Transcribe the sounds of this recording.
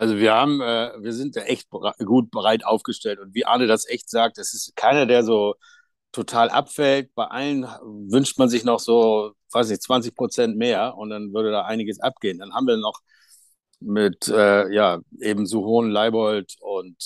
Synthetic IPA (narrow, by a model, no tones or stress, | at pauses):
ʔalzoviːɐhaːbm̩ɛːviːɐzɪnt̚d̥aːʔɛçt̚baɡuːt̚b̥əʁaɪtʔaʊfɡ̥əʃtɛltʊntv̥iːʔa̰ːnədasʔɛçtz̥aːk̚td̥asɪstkʰaɪnɐdeːɐzoː | tʰotʰaːlʔa̰pfɛlt̚b̥aɪʔalənvʏnʃtmanzɪçnɔχz̥oːv̥aɪsnɪçt͡sv̥ant͡sɪçpʁ̥ot͡sɛntmeːɐʊnt̚d̥anvʏɐɾədaːʔaɪnɪɡəsʔa̰p̚ɡ̥eːəndanhaːm̩viːɐnɔχ | mɪtʔɛːjaːʔeːbm̩zoːɦoːənlaɪbɔltʊnt